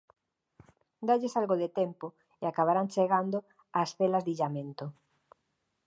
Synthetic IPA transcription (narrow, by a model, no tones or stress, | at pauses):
d̪aʎesalɣoðet̪empo | eakaβaɾant͡ʃeɣand̪o | asfelazðiʎamẽnt̪o